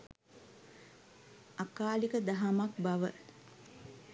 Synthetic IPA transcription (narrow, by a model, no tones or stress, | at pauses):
akaːlikəd̪aɦamak̚baʋə̰